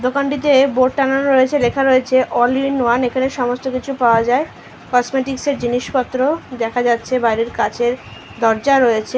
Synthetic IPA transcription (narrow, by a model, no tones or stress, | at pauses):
d̪okaɳʈit̪eboʈʈananɾoet͡ɕʰelekʰaɾoet͡ɕʰeʔɔliinuanekʰaneʃɔmost̪okit͡ɕʰupaoad͡ʑae | kɔsmeʈikseɾd͡ʑiniʃpɔt̪ːɾod̪ɛkʰad͡ʑatːɕʰebajɾiɾkat͡ɕʰeɾ | d̪ɔɾd͡ʑaɾojet͡ɕʰe